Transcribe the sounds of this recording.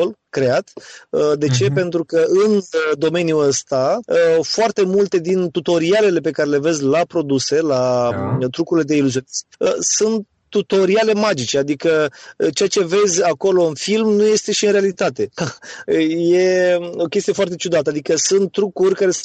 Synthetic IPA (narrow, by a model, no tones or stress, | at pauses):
olkɾe̞at̪əd̪e̞t͡ʃe̞pe̞nt̪ɾukəɨnd̪o̞me̞njuəst̪aəfoart̪e̞mult̪e̞d̪int̪ut̪o̞ɾiale̞le̞pe̞kaɾe̞le̞ve̞zʲlapɾo̞d̪use̞lat̪ɾukuɾile̞d̪e̞iluzio̞nisəsunt̪ | t̪ːut̪o̞ɾiale̞mad͡ʒit͡ʃe̞ad̪ikət͡ʃe̞jat͡ʃe̞ve̞zʲako̞lo̞ɨnfilmnuje̞st̪e̞ʃiɨnɾe̞alit̪at̪e̞əje̞o̞kʲes̬t̪ije̞foart̪̬e̞t͡ʃud̪at̪əad̪ikəsunt̪ːɾukurʲkaɾe̞